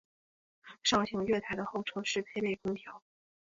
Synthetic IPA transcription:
ʂɑ˥˩ʊt͡ɕʰi˧˥ŋɥɛ˥˧t̪ʰa˥ɪd̪ə˧xo˥˩ʊʈ͡ʂʰɤ˥ʂɻ̩˥˩pʰe˥˧ɪpe˥˩ɪkʰʊ˥ŋt̪ʰjɑ˧˥ʊ

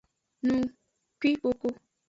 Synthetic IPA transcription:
nũ˨ | kʷi˦o˧ko˦

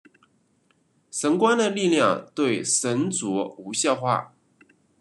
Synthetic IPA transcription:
ʂə˧˥ŋkwa˥nd̪ə˨li˥˧ljɑ˥˧ŋt̪we˥˩ɪʂə˧˥nt͡sɔ˧˥u˧˥ɕjɑ˥˧ʊxwa̰˥˩

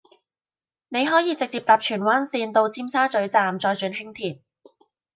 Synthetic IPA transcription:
ne˨˧jɦɔː˨˥jiː˨˧t͡sɪ˨k̚t͡siː˧p̚t̪aː˨p̚t͡ʃʰyː˨˩nwaː˥nsiː˧nt̪o˧wt͡sʰiː˥msaː˥t͡ʃɵ˨˥ɥt͡saː˨mt͡ʃɔː˧jt͡ʃyː˨˧nhɪ˥ŋt̪ʰiː˨˩n

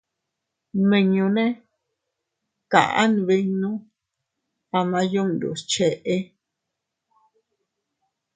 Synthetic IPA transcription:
mĩ˧ɲũ˧nẽ˦ | kã̰˨ʔã̰˦n˨˧βi˧ɲũ˦ | a˧mã˧jũ˦˨ndṵ˨t͡ʃe˧ʔe˦

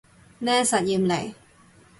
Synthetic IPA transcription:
nɛː˥sɐ˨t̚jiː˨mle˨˩j

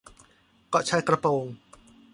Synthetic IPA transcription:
kɔ˧˩ʔt͡ɕʰa˧˥jkɾa˧poː˧ŋ

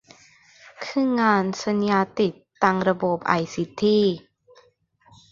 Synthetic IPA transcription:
kʰɯ˥˨ŋːaː˧nsa˧njaː˧t̪i˨˩ | a˧ŋɾa˧bo˨˩p̚ʔa̰˧˩jsi˨˧˦t̪ʰːiː˧˥˩

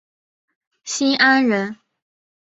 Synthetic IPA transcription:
ɕi˥ʔa˥nɻə˧˥n

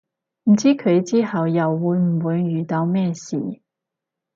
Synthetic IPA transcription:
m̩˨˩t͡siː˥kʰɵ˨˧ɥt͡siː˥hɐ˨wjɐ˨wːuː˨˧jm̩˨˩wuː˨˧jːyː˨˩t̪ɐ˨˧˥wmɛː˥sḭː˨

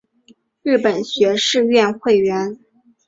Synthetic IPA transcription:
ɻ̩˥˩pə˨˩nɕɥɛ˧˥ʂɻ̩˥˧ɥɛ˥˧nxwe˥˩ɪɥɛ˧˥n

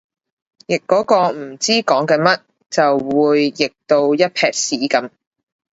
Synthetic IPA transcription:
jɪ˨kːɔː˨˥kɔː˧m̩˨˩t͡siː˥kɔː˨˥ŋkɛː˧mɐ˥t̚ | t͡sɐ˨wwuː˨˧jːɪ˨k̚t̪o˧wjɐ˥t̚pʰɛː˧k̚siː˨˥kɐ˨˥m

